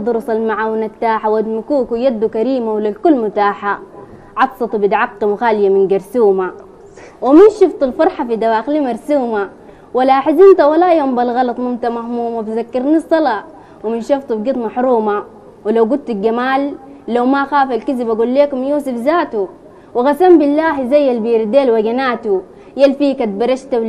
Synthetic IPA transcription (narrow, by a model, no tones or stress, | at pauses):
d̪ˤuɾusˤalmaʕaːwnat̪ːaːħawad̪mikuːkujad̪ːukaɾiːmawalːalkulːmʊt̪aːħa | ʕɑt̪sˤɑt̪ˤubid̪ʕɑqːimxaːlɪjaminɡɑɾsuːma | wiminʃift̪ˤulfɑɾˤħafid̪awaːxlimɑɾˤsuːma | walːaħɪzint̪awalajoːmbalɣɑlɑt̪ˤmʊmt̪amahmuːmafizakːɪɾnisˤːɑlɑ | wiminʃɑft̪ˤubɡit̪ˤmɑħɾuːma | wilawɡud̪̚t̪iɡamaːlː | awmaxaːfalkizibaɡulːeːkumjuːsifzaːt̪u | wiɣasambilːaːɦizajːalbiːɾd̪eːlwaɡanaːt̪u | jalfiːkat̪̚bɑɾˤɑʃt̪aw